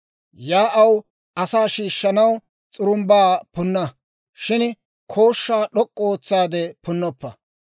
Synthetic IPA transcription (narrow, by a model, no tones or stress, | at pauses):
jaːʔɐw | ʔɐsaːʃiːʃːɐnɐw | t͡sʼʊɾʊmbaːpʊnːɐ | ʃɪn | kʰo̞ːʃːaːɗɔkʼːɔoːt͡sːaːd̪ɛpʊnːɔpːɐ